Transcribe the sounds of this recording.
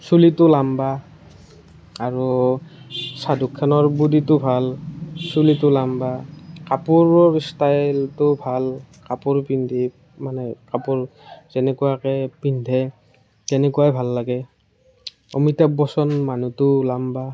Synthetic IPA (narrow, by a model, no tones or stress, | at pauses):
sulitʊlamba | aɹu | sadukʰːanɔɹbuditʊbʱalsulitʊlambakapuɹɔstajltʊbʱal | kapʊɹpindʱi | manɛkapuɹzɛnɛkuakɛpindʱɛ | kɛnɛkuwajbʱalːaɡɛ | o̰mitabɔsɔnmanutʊlamba